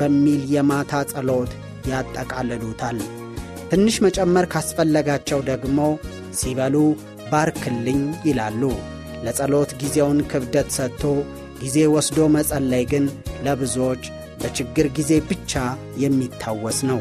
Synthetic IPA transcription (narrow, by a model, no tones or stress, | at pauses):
b̥əmːiljɛmat̪ʰasʼəlo̞t̪ | jat̪ʼːəkʼalːəlut̪ʰal | t̪ʰɨnːɨʃmət͡ʃʼɛmːəɾkʰasfəlːəɡat͡ʃːɛwd̪əɡmo̞ | siβəlu | baɾkʰɨlːɨɲjɪlalːu | ləsʼəlo̞t̪ɡizewnkʰɨβd̪ət̪sət̪ʰːo̞ | ɡ̥ize̞wɔsd̪o̞məsʼəlːajɡɨnləβɨzuwot͡ʃː | b̥ət͡ʃɪɡːɨɾɡize̞bɨt͡ʃːa | jɛmːit̪ʰːawːɔsnəw